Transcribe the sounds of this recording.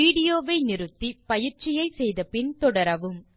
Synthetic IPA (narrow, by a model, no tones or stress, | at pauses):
iːɽɪjoːʋɐɪnɪɾɯt̪ːipɐjɪɾt͡ʃɪjɐɪsɛjðɐpɪnt̪ɔɽɐɾɐʋɯm